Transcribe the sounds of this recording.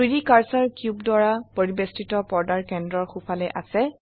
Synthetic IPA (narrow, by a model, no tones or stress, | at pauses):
idikaɹsaɹkjubdaɹapoɹibestitɔpɔɹdaɹkɛndɹɔɹxupʰalɛʔasɛ